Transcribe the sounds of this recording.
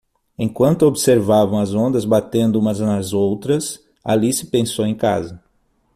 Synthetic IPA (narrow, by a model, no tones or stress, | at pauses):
ẽj̃kwɐ̃nt̪ʊobseɾvavɐ̃w̃ɐzõnd̪ɐzbat̪ẽnd̪ʊũmɐznɐzowt̪ɾɐs | a̰lisɪ̥pẽsowẽj̃ka̰zɐ